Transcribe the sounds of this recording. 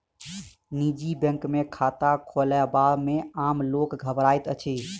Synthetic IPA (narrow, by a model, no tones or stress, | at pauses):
nid͡ʒibə̃ŋkmekʰat̪akʰolɛbameamlokɡʱəbɾajt̪ət͡ʃʰi